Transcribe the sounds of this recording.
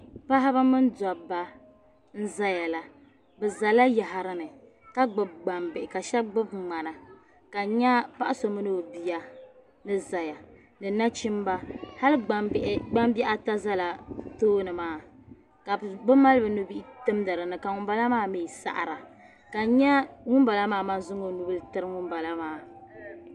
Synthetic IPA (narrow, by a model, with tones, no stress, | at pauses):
pa˦ɦa˦ba˦mɨ˦nda˨ba˦ | n̩˦za˦ja˨la˨ | bɛ˨za˨la˦ja˨ɦa˨ɾɨ˦nɨ˨ | ka˦ɡ͡bɨ˨b̚ɡ͡ba˨mbɪ˨ʔɪ˨ka˨ʃɛ˦ɡ͡bɨ˦b̚ŋ͡ma˨na˨ | ka˨ɲɛ˦pa˦ʔa˦so˨mɨ˦nɨ˦bbi˦ja˦ | nɨ˦za˨ja˨ | nɨ˨na˦t͡ʃi˦mba˦ha˦lɨ˦ɡ͡ba˦ʔɡ͡ba˦mbi˦ʔa˦ta˦za˦la˨toː˦nɨ˨maː˦˨ | ka˨bɨ˦ma˦lɨ˦bɨ˨nu˦bi˦ʔtɨ˦mda˨ɾɨ˨nɨ˨ka˨ŋʊ˨m˦ba˦la˦maː˦miː˨sa̰˦˨ʔɾa˨ | ka˨ɲɛ˦ŋʊ˦mba˨la˦maː˦ma˦zʊ˦ŋo˨nu˦bɨ˦ltɨ˦ɾɨ˦ŋʊ˦mba˨la˦maː˦˨